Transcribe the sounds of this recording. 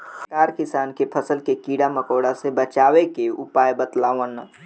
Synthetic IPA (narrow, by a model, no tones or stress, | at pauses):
kaːɾkisaːnkepʰəsəlkekiɽaməkoːɽasebət͡ʃaːwekeupajbət̪laːʋən